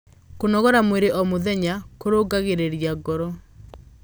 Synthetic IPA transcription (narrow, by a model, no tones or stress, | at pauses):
konɔɣɔɾamweɾeʔɔmoðɛɲakoɾoɡaɣeɾeɾjaɡɔɾɔ